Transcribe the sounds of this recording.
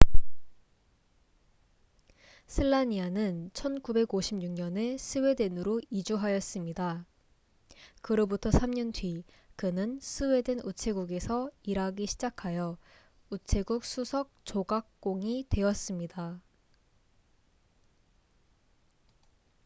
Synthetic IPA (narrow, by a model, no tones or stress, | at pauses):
sʰɯɭːaɲianɯnt͡ɕʰʌnkube̞ɡoɕʰimɲuŋɲʌne̞sʰɯwe̞de̞nɯɾoid͡ʑuɦajʌs͈ɯmɲida | kɯɾobutʰʌsʰamɲʌndɥi | kɯnɯnsʰɯwe̞denut͡ɕʰe̞ɡuɡe̞sʰʌiɾaɡiɕʰid͡ʑakʰajʌ | ut͡ɕʰe̞ɡuk̚s͈ʰusʰʌk̚t͡ɕoɡak̚k͈oŋitwe̞ʌs͈ɯmɲida